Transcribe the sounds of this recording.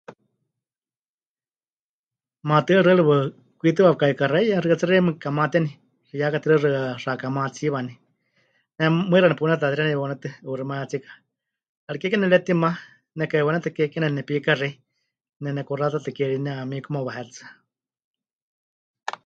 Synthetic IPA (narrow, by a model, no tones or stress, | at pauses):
mat̪ɨaɾɨɺɨwɨ | kʷit̪̬ɨwawɨkaikaɾajarɨat͡sɨrɛmɨkamat̪ɛni | kijakat̪iɾɨrɨarakamat͡siβani | nɛmɨɾanɛpunɛt̪at̪iɾanɛonɛt̪ɨɨɾimajat͡sikḁ | aɾikɛkɛnɛlɛt̪ima | nɛkaiwanɛt̪ɨkɛkɛnɛnɛpikari | nɛnɛkurat̪at̪ɨkɛɺinɛamikumawaɦɛt̪t͡sḁ